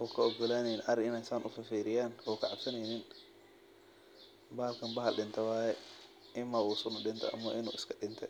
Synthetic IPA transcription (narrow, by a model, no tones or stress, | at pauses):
hɔːkʰɐɔɡɔlaːnɛjnʔɐɾɪɪnɛsaːnʔʊfɐfiːɾɪjaːnwɔːkʰɐʕɑbsɐnɛjnɪn | bɐːɐlkʰɐnbɐɦɐlɗɪnt̪ʰɐwaːjɛ | ʔɪmɐʔuːsʊnʊɗɪnt̪ʰɐ̰ʔɐ̰mɐ̰ʔɪnṵːɪskʰɐɗɪnt̪ʰɛ